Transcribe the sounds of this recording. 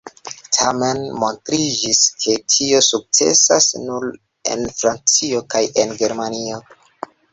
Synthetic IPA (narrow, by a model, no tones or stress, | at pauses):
tʰame̞nmo̞ntɾid͡ʒiskʰe̞tʰio̞suk̚t͡se̞̰sasnul | e̞̰nfɾant͡sio̞kaje̞nɡe̞ɾmanio̞